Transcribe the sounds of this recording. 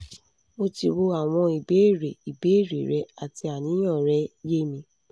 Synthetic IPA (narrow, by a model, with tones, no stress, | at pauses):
o˧ti˧wo˧a˨w̃ɔ̃˧i˨be˨˦˨ɾe˨i˨be˨˦i˦˨ɾḛ˨ɾɛ˨˦a˨ti˧˦a˨nĩ˨˦j̃ã˦˨ɾɛ˦je˦mĩ˧